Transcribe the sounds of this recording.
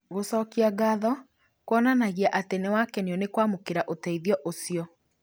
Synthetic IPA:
ɣosɔkiaɡaðɔ | kwɔnanaɣiaʔatenewakɛneɔnekwamokeɾaʔotɛiðjɔʔosiɔ

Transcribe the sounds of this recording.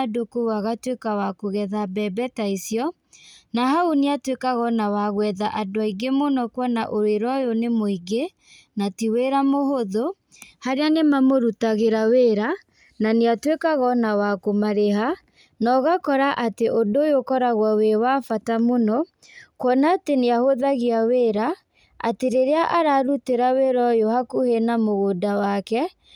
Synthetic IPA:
dokowaɣatwekawakoɣɛðabɛbɛtaisjɔ | nahaoneatwekaɣɔnawaɣwɛðaʔadowaiɡemonɔkwɔnaʔoɾeɾwajonemoiɡe | natiweɾamoɦoðo | haɾeanemamoɾutaɣeɾaweɾa | naneatwekaɣɔnawakomaɾeɦa | nɔɣakɔɾaʔateʔodojokɔɾaɣwawewafatamonɔ | kwɔnateneahoðaɣiaweɾa | a̰teɾeɾeaʔaɾaɾuteɾaweɾɔjohakuhenamoɣodawakɛ

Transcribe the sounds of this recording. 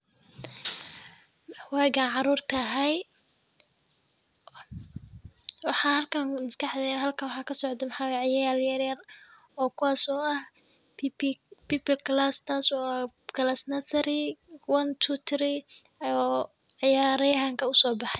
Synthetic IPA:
wɛːɡanʕɑɾuːrt̪ʰɐɦɛj | wɑħɑːhɐlkʰɐnmɪskʰɑħd̪ɛjaːɦɐlkʰɐnwɑħɑːkʰɐsɔʕd̪ɛmɑħɑːwjʕɪjaːaːɾjɐɾjɐr | ɔːkʰʊwaːsɔːɐh | piːpɪlkʰlaːst̪ʰaːsɔːa | kʰɐlasnɐsɐɾiwɐnt̪ʰut̪ʰɾi | ɔ | ʕɑjaːɾɐjɐɦaŋkʰɐʊsɔːbɑħɑj

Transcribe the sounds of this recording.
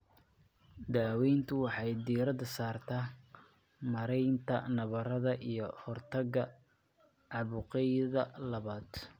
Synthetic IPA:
d̪aːwɛjnt̪ʰʊwɑħɑjd̪iːɾɐðɐsaːrt̪ʰaː | mɐɾɛjnt̪ʰɐ̰nɐβɐɾɐðɐʔijɞhɔrt̪ʰɐɣɐ | ʕɑβʊqɛjðɐlɐβaːd̪̥

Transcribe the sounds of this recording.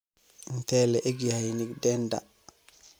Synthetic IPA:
ntɛlɛʔeɡjajiniɡdɛnda̰

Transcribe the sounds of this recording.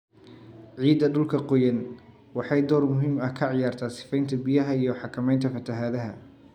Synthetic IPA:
ʕiːd̪ɐɖʊlkʰɐqɔjɐn | wɑħɑjd̪ɔːrmʊɦiːmɐkʰɐʕɪjaːrt̪ʰaːsɪ̥fɛjnt̪ʰɐbɪjɐɦɐijɞħɑkʰɐmɛjnt̪ʰɐfɐt̪ʰɐɦaːðɐɦɐ̰

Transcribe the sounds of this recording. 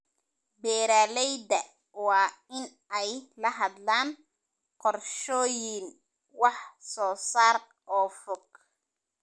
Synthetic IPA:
bɛːɾaːlɛjdɐ | wɑːɪn | ɛjlɐɦɐd̪laːn | qɔrʃɔːjil | wɑħsɔːsaːr | ʔɔːfɔɡ̚

